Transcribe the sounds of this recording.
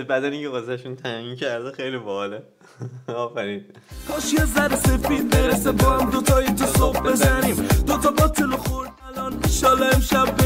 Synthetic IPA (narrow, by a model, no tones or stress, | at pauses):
bæd̪æniŋcʰeɣozæʃunt̪ʰæincʰæɾd̪exejlibɒhle | ɒːfæɾiːnpʰɒʃjezæɾese̞fiːd̪̚beɾesebɒːhæmd̪ot̪ʰɒːit̪ʰɔsob̚be̞zænimd̪ot̪ʰɒbɒːt̪ʰeloxoɾd̪ælɒːnʃɒːlɒemʃæbː